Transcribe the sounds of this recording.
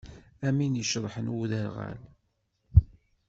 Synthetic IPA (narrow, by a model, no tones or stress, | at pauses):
æminjəʃɾˤħənwuðəɾʁæ̰l